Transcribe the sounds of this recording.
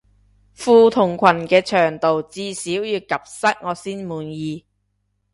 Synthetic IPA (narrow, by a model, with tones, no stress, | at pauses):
fuː˧t̪ʰʊ˨˩ŋkʰɐ˨˩nkɛː˧t͡ʃʰœː˨˩ŋt̪o˨wt͡siː˧siː˨˥wjiː˨˧wkɐ˨p̚sɐ˥t̚ŋɔː˨˧siː˥nmuː˨njiː˨˧